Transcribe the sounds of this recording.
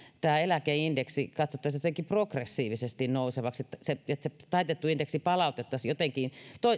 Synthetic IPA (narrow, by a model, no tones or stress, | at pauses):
t̪æːelækeindeksikɑt̪sot̪ːɑsjot̪eŋkiprokresːiːʋisest̪innouseʋɑkset̪ːæseet̪set̪ɑit̪et̪ːuindeksipɑlɑˑut̪et̪ːɑsjot̪eŋkint̪oi